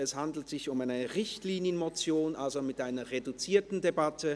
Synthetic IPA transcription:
ɛshandl̩tz̥ɪçʊmaɪnəəʁɪçtliːnjənmot͡sjoːnʔalzomɪtʔaɪnɐʁedut͡siːɐtn̩debatʰə

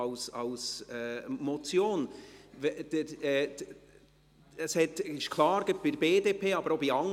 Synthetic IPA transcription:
ʊsɑʊsɛmot͡sjoːnvɛd̥̪əɛ | əshɛt̪ɪʃkʰlɑːɾɡ̥əb̥ɪɾbeːdepʰeːɑbəɾobiɑŋ

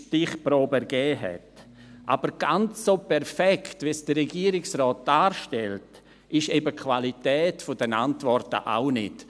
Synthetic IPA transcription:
tɪχpɾoːbɛɾɡ̥ɛːɦɛ̰t | ʔa̰bəɾɡ̥ant͡sːopʰɛɾfɛkʰtvisd̥əɾɛɡiːəɾɪksɾɔːt̚d̥aːɾʃtɛlt | ʔɪʃɛbəkʰvalitɛːtfʊd̥ɛnantvɔɾtə̰ʔa̰ʊnɪt

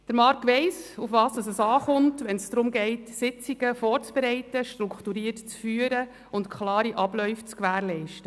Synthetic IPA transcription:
d̥əɾmɑɾkʋɛɪsufʋɑːsdɑsɛsɑːχʊntʋɛnsd̥̪ɾʊmɡɛɪtsɪt͡siɡəfɔːɾt͡sb̥eɾɛɪtəʃtɾukχtuɾiːəɾtt͡sfyːəɾə | ʊntkχlɑːɾiʔɑblœʏft͡skʋæːɾlɛɪʃtə

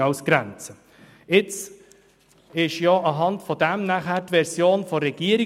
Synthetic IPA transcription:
ɑʊsɡ̥ɾænt͡sə | ɪt͡s | ɪʃjɔɑɦɑntfɔdæmnæχæːɾtʋɛɾsjoːnfɔɾɛɡ̥iəɾi

